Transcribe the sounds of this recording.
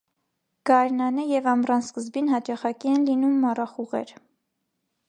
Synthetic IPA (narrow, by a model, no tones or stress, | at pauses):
ɡ̥ɑjɾnɑnəjɛvɑmrɑnskəzbinhɑt͡ʃɑχɑkiɛnlinumːɑrɑχuʁɛ̰ɾ